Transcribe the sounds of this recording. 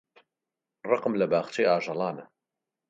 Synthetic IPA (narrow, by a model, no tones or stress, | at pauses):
rɑqmlɐbaːχt͡ʃeːaːʒɑlˠɑːnɐ